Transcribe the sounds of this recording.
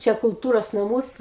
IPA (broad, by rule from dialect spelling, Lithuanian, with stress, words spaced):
ˈt͡ʃʲɛ kʊlˠˈtuːroːs nɐˈmuɔs